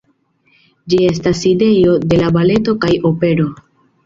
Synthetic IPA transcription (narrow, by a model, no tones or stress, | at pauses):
d͡ʒie̞s̬taside̞jo̞de̞labale̞to̞kajo̞pe̞ɾo̞